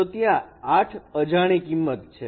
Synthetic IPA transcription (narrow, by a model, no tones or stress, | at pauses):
ot̪ijãaʈʰəd͡ʒaɽ̃ikimːət̪̚t͡ʃʰe